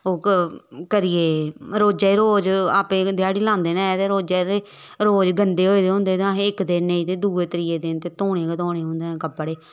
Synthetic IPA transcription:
oːkkəɾɪeːɾoːd͡ʒeːiːɾoːd͡ʒaːpẽːd̪ɪjaːɽiːlãːnd̪eːnãːt̪eːɾoːd͡ʒeːɾeː | ɾoːd͡ʒɡənd̪eːɦoːid̪eːɦʊ̃ːnd̪eːt̪ãːɦɪkd̪eːnẽĩːt̪eːd̪uːeːt̪əɾɪjeːd̪eːt̪eːt̪oːɽ̃eːkət̪oːɽeːɦʊ̃nd̪eːkəbɽeː

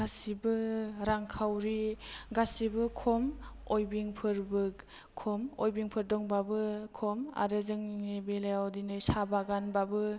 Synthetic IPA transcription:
ɡasibɯɾaŋkʰawɾiɡasibɯkʰɔmojbiŋpʰɯɾbɯk | kʰɔmojbiŋpʰɯɾdɔŋbabɯkʰɔma̰ɾɯzɯŋnibelajawdinɯjsabaɡanbabɯ

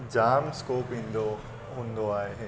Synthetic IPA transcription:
d͡ʒaːmskoːpɪ̃nd̪o | ʊ̃nd̪oaːeɦɛ̃ː

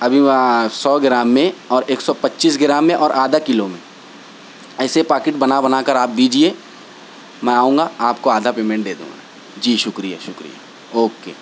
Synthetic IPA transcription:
ɐbʱimɛ̃sɔːɡɪɾaːmːẽɔːɾeːksɔpɐtːʃiːs̬ɡɪɾaːmːẽʔɔːɾʔaːd̪ʱakɪlomẽ | ɛːsepaːɾkɪʈ̚bɐnabɐnaːkəɾaːp̚d̪iːd͡ʒie | mɛ̃aːũːŋɡaaːp̚koaːd̪ʱapeːmẽɳʈ̚d̪eːd̪ṵ̃ːŋɡa̰ | d͡ʒiːʃʊkɾija̰ʃʊkɾḭja̰ | oːkḛː

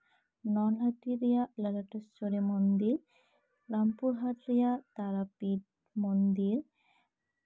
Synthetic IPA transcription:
nɔnlaʈiɾijaləlaʈest͡ʃoɾemɔnd̪iɾ | ɾampuɾɦad̪ɾijat̪aɾapid̚ | mɔnd̪iɾ

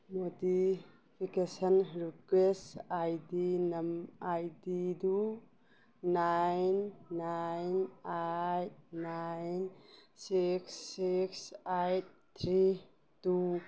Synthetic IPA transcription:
modi | pʰikesənɾikwesajdinɐmajdidu | najnːajnajt̚najnsiksːiksajt̚t̪ʰɾi | tu

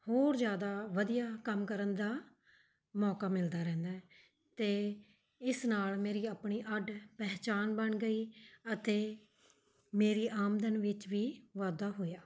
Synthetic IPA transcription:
hoːɾzjaːd̪aːʋəd̪ijaːkəmkəɾənd̪aː | mɔːkaːmɪld̪aːɾɛ̃ːnd̪aː | t̪eː | ɪsnaːlmeːɾiːaːpɳiːʔəɖpɛːt͡ʃaːnbəɳɡəiːət̪eː | meːɾiːʔaːmd̪ənʋɪt͡ʃʋiːʋaːd̪aːɦoːjaː

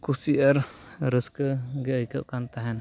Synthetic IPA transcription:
kusiʔəɾɾəskəɡɛəjkəʔ̚kant̪aɦɛn

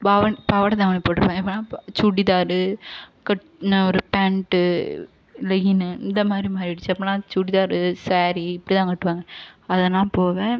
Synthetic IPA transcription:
paːʋɐpaːʋɐɽɐt̪ãːmɐnɪpoːʈːɯɾɯpːãːŋɡɐɪpːɐnaːt͡ʃuːɽiðaːɾɯkɐʈ | nɔɾɯpaːɳʈɯ | lɐjinɯɪnd̪ɐmaːd̪ɾimaːɾiɪɽɯt͡ʃːɯɐpːɐlãːt͡ʃuːɽiðaːɾɯsaːɾiɪpːɐɽit̪ãːkɐʈːɯʋaːŋɡɐɐðɐnãːpoːʋẽː

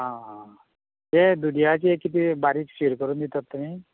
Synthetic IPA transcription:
ɦãɦã | jed̪unijat͡ɕiekːit̪̬ibaɾiːksiɾkəɾuːnd̪it̪at̪ːumi

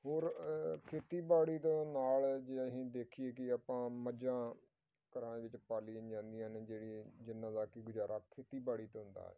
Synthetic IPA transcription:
ɦoːɾkʰeːt̪iːbaːɽiːt̪õːnaːld͡ʒeːəɦĩːd̪eːkʰieːk̬ɪaːpãːməd͡ʒãː | kəɾaːɳeːʋɪt͡ʃpaːlĩd͡ʒãːnd̪ijãːneːd͡ʒeːɽiːd͡ʒɪnːãːd̪aːkɪɡʊd͡ʒaːɾʔaːkʰeːt̪iːbaːɽiːt̪eːɦʊ̃nd̪a̰ːɛ̰ː

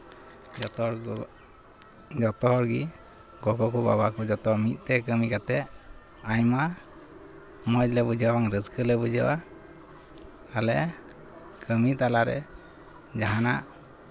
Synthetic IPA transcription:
t̪ɾ | d͡ʒɔt̪ɔɦɔɾɡi | ɡɔkɔkuba̰bakɔd͡ʒɔt̪ɔmit̪̚ˀt̪ɛkəmikat̪ɛ | ajma | mɔjlɛbud͡ʒɔwaŋɾəd͡ʒkʰəlɛbud͡ʒɔwa | alɛ | kʰəmit̪alaɾɛ̰ | d͡ʒaɦanaʔ

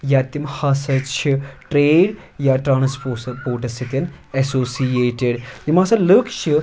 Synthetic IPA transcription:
jaːt̪imhɐsɐt͡ʃʰiʈɾeːɖ | jaʈɾaːnɐspopoːʈ̬ɐsit̪ʲɐn | esoːsijeːʈeɖjimasɐlɨkʰʃʰi

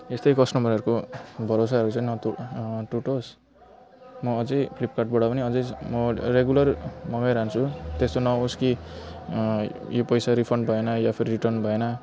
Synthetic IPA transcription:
est̪ʌjkʌsʈʌmʱʌɾɦʌɾukobʱʌɾosaɦʌɾut͡sʌinʌ | ʈuʈos | mʌːd͡zʌjpʰlipkaʈ̚bʌɽapʌniʌd͡zʌjmʌɾeɡjulʌrmʌɡʌjɾaɦnt͡sʰut̪est̪onʌoski | jopʌjsaɾipʰʌɳɖbʱʌenʌjapʰiɾiɾiʈʌrnbʱʌenʌ

